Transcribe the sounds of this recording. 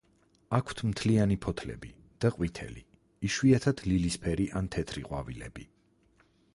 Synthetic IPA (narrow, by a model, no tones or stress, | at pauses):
akʰt̪ʰmt̪ʰlianipʰɔt̪ʰlɛ̰bi | d̪̥aqʼwit̪ʰɛ̰li | iʃwiat̪ʰad̪̥lilispʰɛɾiʔant̪ʰɛt̪ʰɾiqʼwavilɛ̰bi